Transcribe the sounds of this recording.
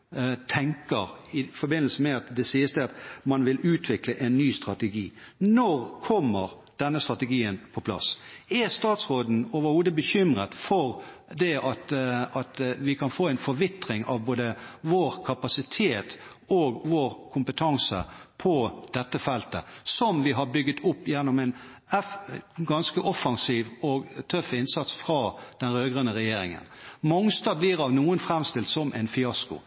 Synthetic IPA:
t̪ʰɛŋkəʁɪfɔbɪnːəl̩sən̩mɛɑt̪d̪ɛsiːəst̪əɑt̪mɑnʋɪlʉːt̪ʰʋɪkləʔɛnːyːst̪ɾɑt̪əɡiː | nɔʁkʰɔmːəʁ | d̪̥ɛnːəst̪ɾɑt̪əɡiːənpʰɔpʰlɑ̰sɛst̪ɑːt̪sʁoːd̪n̩oːʋəɾhuːd̪əbəçʏmʁət̪fɔʁ | d̪ɛʔɑt̪ɑt̪ʋɪkʰɑnfoːɛnfɔɾʋɪt̪ɾɪŋɑ̰ʋboːd̪əʋoːɾkʰɑpɑsɪt̪ʰeːt̪ | oːɡʋoːɾkʰʊmpət̪ʰɑŋsə̰pʰɔd̪̥ɛt̪ːəfɛlt̪ə̰sɔmʋɪɦɑɾbʏɡət̪ʰʊpːjɛnːɔmɛn | ɛfɡɑnskəʔɔfɑŋsiːʋɔɡt̪ʰœfːɪnsɑt̪sfɾɑːd̪̥ɛnɾøːɡʁənəɾɛjeːɾɪ̰ŋə̰nmɔŋst̪ɑːbliɾɑʋnuːənfɾɛmst̪ɪlt̪sɔmʔɛ̰ɪnfɪɑskʊ̰

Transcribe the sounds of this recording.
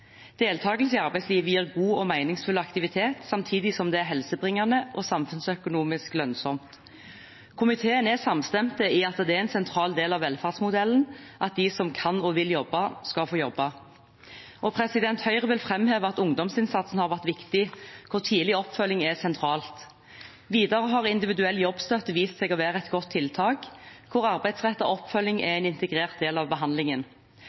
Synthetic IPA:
d̪̥eːlt̪ʰɑːɡəlsɪɑɾbæɪsliːʋəjiːʁɡuːɔmæɪnɪŋsfʉlɑkt̪ɪʋɪt̪ʰeːt̪sɑmt̪ʰiːd̪ɪsɔmd̪ɛæɾɦɛlsəbʁɪŋːɑnəʔɔsɑmfʉnsœkʊnuːmɪsklœnsɔmt̪ | kʰʊmɪt̪ʰeːənɛsɑmst̪ɛmt̪əiɑt̪d̪ɛæɾɛnsɛnt̪ʰɾɑːld̪eːlɑʋɛlfɑʁsmʊd̪ɛlən̩ʔɑt̪̚d̪ɪsɔmkʰɑnɔʋɪljɔbːɑskɑlfoːjɔbːɑ | ʔɔpʰʁɛsɪd̪ɛnt̪hœʏʁəʋɪlfʁɛmheːʋəɑt̪ʊŋd̪ɔmsɪnsɑt̪sn̩hɑʁʋæʁt̪ʋɪkt̪ɪkʰʊʁt̪ʰiːlɪɔpːfœlːɪŋɛsɛnt̪ʰɾɑːlt̪ | ʋiːd̪ɑʁəɦɑʁɪnd̪ɪʋɪd̪ʉɛlːjɔbst̪œt̪ːʋiːst̪sɛɡɔʋæːɾəɛt̪ɡɔt̪ʰːɪlt̪ʰɑːkkʰːʊʁɑʁbæɪd̪sʁɛt̪ːɔ̰ɔpːfœlːɪŋɛ̰ɛɪnɪnt̪əɡʁeːʁt̪̚d̪eːlɑʋbəɦɑnd̪lɪŋən

